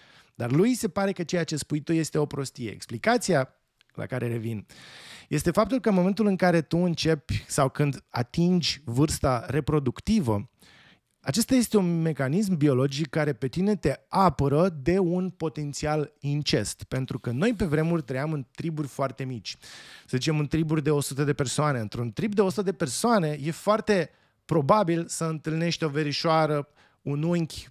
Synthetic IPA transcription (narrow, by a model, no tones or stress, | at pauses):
d̪̥arlujse̞paɾe̞kət͡ʃe̞jat͡ʃespujt̪uje̞st̪e̞o̞pɾo̞st̪ije̞ḛksplikat̪sia | lʔa̰kaɾe̞ɾe̞vinje̞st̪e̞fap̚t̪ulkənmo̞me̞nt̪̬ulɨŋkaɾe̞t̪uɨnt͡ʃe̞pʲsawkɨnd̪a̰t̪ind͡ʒʲvɨrst̪aɾe̞pɾo̞d̪ukt̪ivə | at͡ʃe̞st̪aje̞st̪e̞unme̞kanis̬mbio̞lo̞d͡ʒikːaɾe̞pe̞t̪ine̞t̪e̞apəɾəd̪e̞unpo̞t̪e̞nt̪sialint͡ʃe̞st̪pe̞nt̪ɾukəno̞jp̬e̞vɾe̞murʲt̪ɾəjamɨnt̪ɾiburʲfoart̪emit͡ʃʲsəzit͡ʃe̞mɨnt̪ɾiburʲd̪e̞o̞sut̪əd̪e̞persoane̞ɨnt̪ɾunt̪ɾibd̪eo̞sut̪əd̪e̞pe̞rsoane̞je̞foart̪e̞ | pɾo̞babilsəɨnt̪ɨlne̞ʃt̪ʲo̞ve̞ɾiʃoaɾə | unuŋkʲ